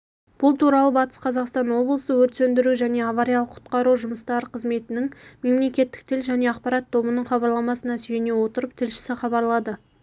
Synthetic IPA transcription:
b̥ʊlˠt̪ʰuɾɑlˠəbɑt̪ə̥sqʰɑzɑqst̪ɑnwo̞blˠəsəwɵɾt̪sɵnd̪ɪɾuʒæne̞avaɾjalˠəqʰːʊ̥t̪qɑɾuʒʊməst̪ɑɾəqʰəzme̞t̪ɪnɪŋme̞mle̞kʲe̞t̪ːɪ̥k̚t̪ʰɪlʒæne̞ɑqpɑɾɑt̪ʰːo̞bənəɴχɑbɑɾlˠɑmɑsənɑsʏjene̞wo̞t̪əɾəp̚t̪ʰɪlʃɪ̥sɪχɑbɑɾlˠɑd̪ə

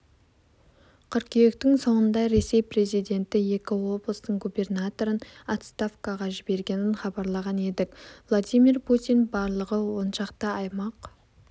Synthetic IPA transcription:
qʰʏɾkʲʰejekt̪ɪŋso̞ɴənd̪ɑɾe̞se̞jpre̞zijd̪e̞nt̪ɪje̞kʲɪwo̞blˠəst̪əɴɡube̞rnat̪o̞ɾənat̪st̪afkaʁɑʒɪbe̞ɾɡʲe̞nɪnχɑbɑɾlˠɑʁɑne̞d̪ɪkvlˠad̪ijmiɾpʰut̪ijnbɑɾlˠəʁəwo̞nʃɑqt̪əɑjmɑq

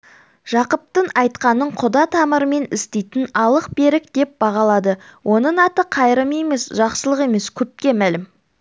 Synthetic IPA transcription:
ʒ̥ɑqəp̚t̪əɴɑjt̪qɑnəɴqʰʊd̪ɑt̪ʰɑməɾəme̞nɪst̪ejt̪ɪnɑlˠəq̚be̞ɾɪk̚d̪̥e̞p̚bɑʁɑlˠɑd̪əwʔo̞nəɴɑt̪əqʰɑjɾəmjeme̞sʒɑqsəlˠəqe̞me̞skʲʰɵp̚kʲe̞mælɪm

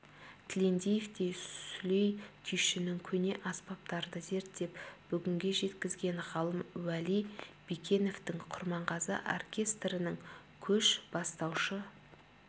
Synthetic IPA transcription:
t̪ʰlʲe̞nd̪ʲejeft̪e̞jsʏlejk̪ʲʰʏjʃɪnɪŋkʲʰɵne̞ʔɑspɑp̚t̪ɑɾd̪əze̞ɾt̪d̪e̞pb̥ʏɡʲɪŋɡʲe̞ʒe̞t̪kʲɪzɡʲe̞ɴʁɑlˠəmwælijb̥ikʲʰe̞no̞ft̪ɪŋqʰʊɾmɑɴʁɑzə̰ʔo̰rkʲʰe̞st̪rənəŋ | kʲʰɵʃb̥ɑst̪ɑwʃə

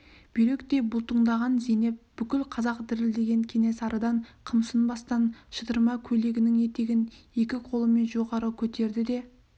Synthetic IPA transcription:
b̥ʏjɾe̞kt̪e̞bʊlˠt̪əɴd̪ɑʁɑnzene̞p̚b̥ʏkʲɪlqʰɑzɑqd̪ɪɾɪld̪e̞ɡʲe̞ŋkʲʰe̞ne̞sɑɾəd̪ɑɴqʰəmsənbɑst̪ɑnʃət̪əɾmɑkʲʰɵle̞ɡʲɪnɪŋje̞t̪e̞ɡʲɪne̞kʲɪqʰo̞lˠəme̞nʒo̞ʁɑɾəkʲʰɵt̪e̞ɾd̪ɪd̪e̞

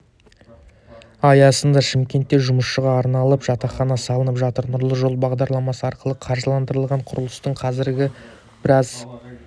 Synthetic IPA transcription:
ɑjɑsənd̪ɑʃɪmkʲe̞nt̪ːe̞ʒʊməsʃəʁɑːɾnɑlˠəpʒ̥ɑt̪ɑχɑnɑsɑlˠənəpʒɑt̪əɾnʊɾlˠəʒo̞lˠbɑʁd̪ɑɾlˠɑmɑsəɑɾqəlˠəqʰɑɾʒəlˠɑnd̪əɾəlˠʁɑɴqʰʊɾəlˠəst̪əɴqʰɑzɪɾɡʲɪ | b̥ɪɾɑz

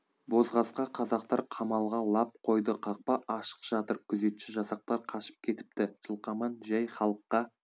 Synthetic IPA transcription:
bo̞zʁɑsqɑqʰɑzɑq̚t̪ɑɾqʰɑmɑlˠʁɑlˠɑp̚qʰo̞jd̪əqʰɑq̚pɑʔɑʃə̥qʒ̥ɑt̪əɾkʲʰʏze̞t̪ʃɪʒɑsɑq̚t̪ɑɾqʰɑʃə̥p̚kʲʰe̞t̪ɪ̥p̚t̪ɪʒ̥əlˠqɑmɑnʒæjχɑlˠəqːɑ

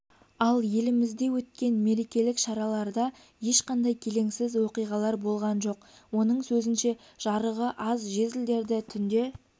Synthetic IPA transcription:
ɑlˠje̞lɪmɪzd̪e̞wɵt̪kʲe̞nme̞ɾe̞kʲe̞lɪkʃɑɾɑlˠɑɾd̪ɑ | je̞ʃqɑnd̪ɑjkʲʰe̞le̞ŋsɪzwo̞qijʁɑlˠɑɾbo̞lˠʁɑnʒo̞qwo̞nəɴsɵzɪnʃe̞ | ʒ̥ɑɾəʁəʔɑzʒe̞zɪld̪e̞ɾd̪ɪt̪ʰʏnd̪e̞

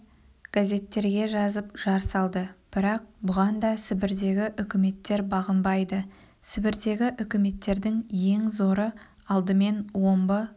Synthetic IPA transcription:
ɡ̥azʲe̞t̪ːe̞ɾɡʲe̞ʒɑzəpʒ̥ɑɾsɑlˠd̪əb̥ɪɾɑq̚bʊʁɑnd̪ɑsɪbɪɾd̪e̞ɡʲɪʔʏkʲɪme̞t̪ːe̞ɾbɑʁəmbɑjd̪ə | sɪbɪɾd̪e̞ɡʲɪʔʏkʲɪme̞t̪ːe̞ɾd̪ɪŋje̞ŋzo̞ɾə | ɑlˠd̪əme̞nwo̞mbə

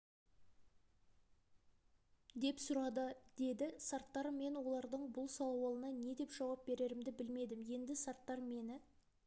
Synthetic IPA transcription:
d̪e̞psʊɾɑd̪əd̪̥e̞d̪ɪsɑɾt̪ːɑɾme̞nwo̞lˠɑɾd̪əɴbʊlˠsɑlˠwɑlˠənɑne̞d̪e̞pʒɑwɑp̚be̞ɾe̞ɾɪmd̪ɪbɪlme̞d̪ɪmje̞nd̪ɪsɑɾt̪ːɑɾme̞nɪ

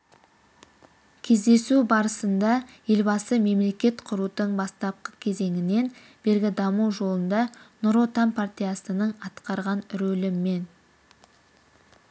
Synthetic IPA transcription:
kʲʰe̞zd̪e̞subɑɾəsənd̪ɑje̞lbɑsəme̞mle̞kʲe̞t̪qʰʊɾut̪əɴbɑst̪ɑp̚qə̥kʲʰe̞ze̞ŋɪne̞n | b̥e̞ɾɡʲɪd̪ɑmuwʒo̞lˠənd̪ɑnʊɾo̞t̪ampʰart̪ʲijasənəɴɑt̪qɑɾʁɑnɾɵlɪmːe̞n

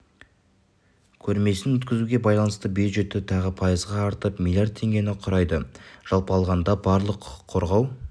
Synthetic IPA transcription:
kʲʰɵɾme̞sɪnwɵt̪kʲɪzuɡʲe̞bɑjlˠɑnəst̪əbjud̪ʒe̞t̪ːɪt̪ʰɑʁəpʰɑjəzʁɑːɾt̪əpmʲilˠjaɾd̪̚t̪ʰːe̞ŋɡʲe̞nɪqʰʊɾɑjd̪əʒ̥ɑlˠpəɑlˠʁɑnd̪ɑbɑɾlˠəqʰqʰːo̞ɾʁɑw

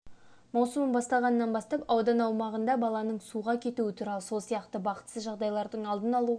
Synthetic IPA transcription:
mɑwsəməmbɑst̪ɑlˠʁɑnəːɑnbɑst̪ɑpɑwd̪ɑnɑwmɑʁənd̪ɑbɑlˠɑnəɴsuʁɑkʲʰe̞t̪uɪt̪ʰuɾɑlˠəso̞lˠsijɑqt̪əbɑqə̥t̪səzʒɑʁd̪ɑjlˠɑɾd̪əɴɑlˠd̪ənɑlˠu

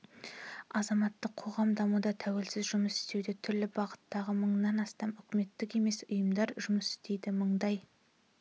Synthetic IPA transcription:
ɑzɑmɑt̪ːəqʰːo̞ʁɑmd̪ɑmud̪ɑt̪ʰæwe̞lsɪzʒʊməsɪ̥st̪e̞wd̪e̞t̪ʰʏɾlɪbɑʁət̪ːɑʁəməɴnɑnɑst̪ɑmʏkʲɪme̞t̪ːɪke̞me̞sʊjəmd̪ɑɾʒʊməsɪ̥st̪e̞jd̪ɪməɴd̪ɑj

